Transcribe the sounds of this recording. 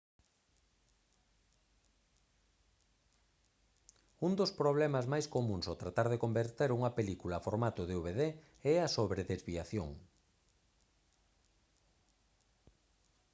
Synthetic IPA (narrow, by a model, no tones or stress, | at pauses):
und̪ospɾoβ̞lɛmɐzmajskomũŋsot̪ɾat̪aɾð̞ekombeɾt̪eɾuŋɐpelikulaːfoɾmat̪oðeuβeðe | ɛɐsoβɾeðezβiaθjo̰ŋ